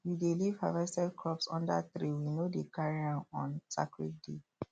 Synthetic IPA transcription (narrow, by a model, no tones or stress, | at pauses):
widelivhavɛstɛdkʰɹɔpsɔ̃ndaθɹiwinodekaɹiãnɔ̃nsa̰kɹid̚de